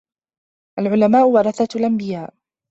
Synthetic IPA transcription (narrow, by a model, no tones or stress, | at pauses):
ʔalʕʊlamaːʔʊwɑɾˤɑθalʔambɪjaːʔ